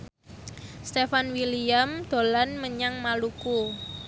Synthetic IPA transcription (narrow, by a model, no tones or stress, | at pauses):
st̪efanwiliamd̪̥o̤lanməɲaŋmaluku